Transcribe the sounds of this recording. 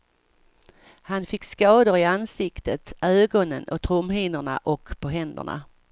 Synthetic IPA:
hanfɪkːskɑːd̪ʊɾɪansɪkt̪ət̪øːɡɔnənɔt̪ʰɾʊmhiːnəɳa̰ʔɔkːpʰɔɦɛnd̪ə̰ɳa̰

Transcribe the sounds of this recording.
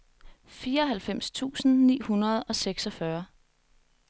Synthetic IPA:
fiːɐɒɦælfem̰st͡sʰṵːsn̩nḭːhunɐð̞ˠɒ̽seɡ̥sɒ̽fɶɐ

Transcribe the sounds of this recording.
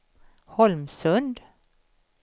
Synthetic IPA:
hɔlmsɵnd̪

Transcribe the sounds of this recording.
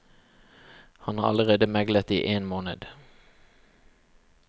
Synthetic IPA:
hɑnhɑ̰ːɑləʁeːd̪əmɛɡlət̪iːʔeːnmoːnə̰d̪̥

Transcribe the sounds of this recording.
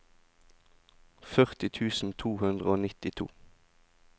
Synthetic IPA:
fœʁt̪ɪt̪ʰʉːsn̩t̪ʰuːhʉnd̪ʁəoːnɪt̪ɪt̪ʰṵː

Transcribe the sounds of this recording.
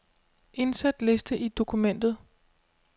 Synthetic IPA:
ʔe̝nsæd̥le̝sd̥əʔid̥o̝kʰumen̰d̥ð̞̩ˠ

